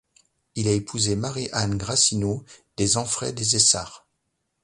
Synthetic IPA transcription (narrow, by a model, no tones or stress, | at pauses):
ilaepʰuzemaʁiʔanɡʁasinod̪̥ezɑ̃fχɛ̰d̪ezesaːʁ